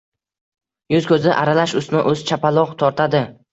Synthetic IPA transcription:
jʊzkʲʰɵzɪʔaɾalaʃʊsnɪʔɵzt͡ʃʰapalˠɒʁt̪ʰɒɾt̪ʰad̪ɪ

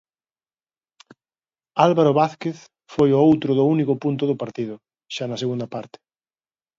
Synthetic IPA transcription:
alβaɾoβaθkeθ | fojʊowt̪ɾʊðʊunikʊpunt̪ʊðʊpaɾt̪iðʊ | ʃanɐseɣund̪ɐpaɾt̪ɪ̥

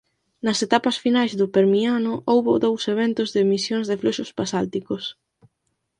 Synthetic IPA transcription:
nɐset̪apɐsfinajzðʊpeɾmianʊʔowβʊðowseβ̞ent̪ʊzðɪmisjoŋzðɪfluʃʊspasalt̪ikʊs

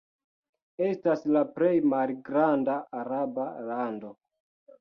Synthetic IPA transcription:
e̞staslapɾe̞jmalɡɾandaːɾabalando̞

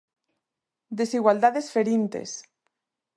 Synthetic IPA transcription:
d̪esiɣwald̪aðesfeɾint̪ḛs

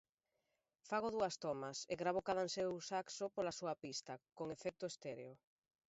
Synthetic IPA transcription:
faɣʊðuɐst̪omɐseɣɾaβokaðansewsaksopolɐsuɐpist̪ɐkoŋefɛk̚t̪ʊest̪eɾeo

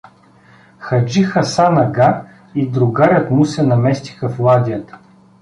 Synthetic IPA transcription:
xɐd͡ʒixəsanɐɡa | id̪ɾʊɡaɾʲət̪musɛnɐmɛst̪i̥xɐflˠad̪ʲijət̪ə̥

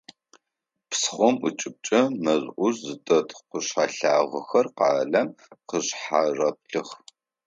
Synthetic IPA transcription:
psχʷɔmut͡ʃʼɪp̚t͡ʃʼɐmɐʑʔʷʊrzɨtʼɐtqəɕħaɬaːʁɐxɐrqɑːɮɐm | qəɕħarɐp̚ɬɨχ

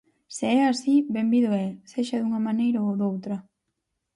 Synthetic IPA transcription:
seɛasibembiðoɛseʃɐðuŋɐmanejɾaowðowt̪ɾɐ

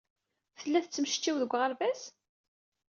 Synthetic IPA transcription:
θəlːæθət͡sːmʃt͡ʃːiwðəɡʷːʁəlvæs

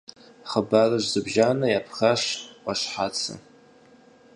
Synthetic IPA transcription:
χəbarɨʒzɨbʒaːnɐjapʰxaɕqɑʃħat͡sʰɨ̰

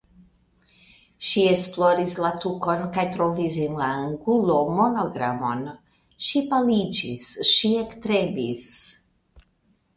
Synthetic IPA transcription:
ʃie̞splo̞ɾislatuko̞nkajtɾo̞vis̬enlaːŋɡulo̞mo̞no̞ɡɾa̰mo̞n | ʃipalid͡ʒḭsʃie̞ktɾebis

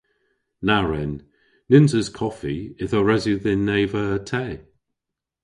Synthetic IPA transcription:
naɹɛn | nɪnzəz̥kʰɔfiɪðɔɹɛzuðɪnːejvəːtʰɛː

